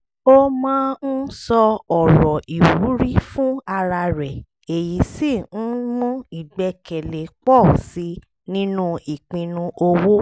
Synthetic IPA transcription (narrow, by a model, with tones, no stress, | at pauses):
o˦mãː˦n̩˦sɔ˧ɔ˨ɾɔ˨i˨wu˨˦ɾi˦fũ˦a˧ɾa˧ɾɛ˨ | e˨ji˨˦si˦˨ñ̩˦mɔ̃˦i˨ɡ͡bɛ˧˦kɛ˨le˨k͡pɔ˦˨si˧˦ | nĩ˦nũ˦i˨k͡pĩ˧nũ˧o˧wo˦